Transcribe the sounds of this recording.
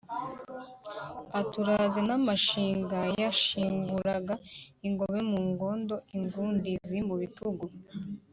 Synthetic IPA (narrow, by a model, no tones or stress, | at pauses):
atuɾazenamaʃiːŋɡajaʃiːŋɡuɾaɡaiŋɡo̞βe̞muːŋɡo̞ndo̞iŋɡuːndizimuβituɡu